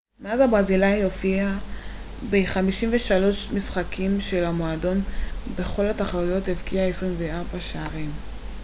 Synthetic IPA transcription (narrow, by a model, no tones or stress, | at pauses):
meazabʁazilajo̞fia | beχamiʃimveʃalo̞ʃmisχakʰimʃe̞lamoado̞nbe̞χo̞lataχalujo̞tevkiaesʁimveaʁbaʃeaʁim